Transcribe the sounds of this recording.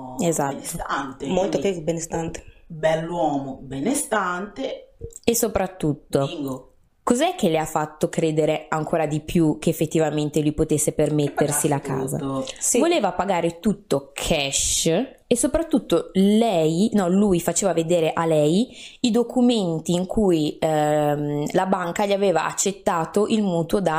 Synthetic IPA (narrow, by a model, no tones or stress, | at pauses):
ezat̪ːomolt̪okezbenest̪ant̪e̥bɛlːwɔːmobenest̪ant̪eesopɾat̪ːut̪ːo | kozɛk̟ːeleafːat̪ːokɾeːd̪eɾeaŋkʰoːɾad̪ipjuk̟eːfːet̪ːivament̪elujpot̪esːepermet̪ːersilakʰa̰ːza̰voleːvapaɡaːɾet̪ut̪ːokʰɛʃ | esopɾat̪ːut̪ːolɛjnɔlujfat͡ʃeːvaved̪eːɾeʔalɛjid̪okʰument̪iːŋkʰuj | mlabaŋkaʎiaveːva̰ʔa̰t͡ʃːet̪ːaːt̪oʔilmuːt̪wod̪a